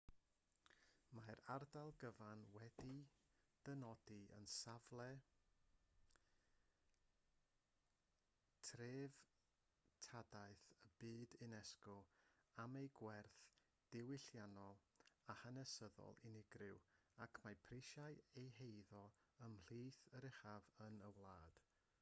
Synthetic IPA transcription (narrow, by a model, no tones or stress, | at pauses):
maɾardalˠɡəvanwɛdid̥ənɔdiə̰nsavlˠɛ | tʰreːv | tʰadaɨθəb̥ɨːdɪnɛskɔamejɡwɛrθ | d̥ɪwɪɬjanɔlˠahənɛsəðɔ̰lˠɪnɪɡrɪwakʰmajpʰrɪʃajejhejðɔ | əml̥iːθəɾɪχavənəwlˠaːd̥